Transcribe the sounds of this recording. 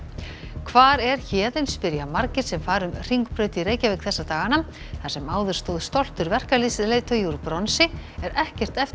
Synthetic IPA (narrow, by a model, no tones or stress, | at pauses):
kʰvaːɾɛɾ̥çɛːðɪnspɪɾjamaɾcɪɾ̥sɛmfaːɾʏmr̥iŋkpɾœːɥt̪ɪiɾeːjcavɛːkθɛsːat̪aːɣanam | θasɛmaːwðʏɾ̥st̪owðst̪ɔl̥t̪ʏɾvɛr̥kalisleːt̪ʰœjuɾpɾɔnsɪɛɾɛhcɛr̥t̪ɛf